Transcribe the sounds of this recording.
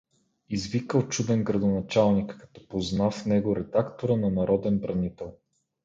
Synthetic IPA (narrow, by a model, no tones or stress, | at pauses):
izvikəlˠt͡ʃud̪ɛnɡɾɐd̪onɐt͡ʃalˠnikːɐ̥t̪ɔ̥poznafnɛɡoɾɛd̪akt̪oɾənɐnɐɾɔd̪ɛnbɾɐnit̪ɛlˠ